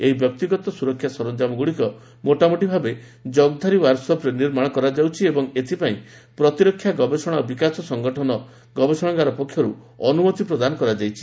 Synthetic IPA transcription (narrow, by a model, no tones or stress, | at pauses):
eɦibjɔk̚t̪iɡɔt̪ɔsuɾɔkʰːjasɔɾɔnd͡ʒamɔɡuɽikɔ | moʈamoʈibʱabe | d͡ʒɔɡd̪ʱaɾiwaɾsɔpɾeniɾmaɽ̃ɔkɔɾad͡ʒawt͡ʃʰiebɔŋet̪ʰipaĩ | pɾɔt̪iɾɔkʰːjaɡɔbesɔɽ̃ɔbikasɔsɔŋɡɔʈʰɔnɔ | ɡɔbesɔɽ̃ɔɡaɾɔpɔkʰjɔɾṵ | ɔnumɔt̪ipɾɔd̪anɔkɔɾad͡ʒajt͡ʃʰi̥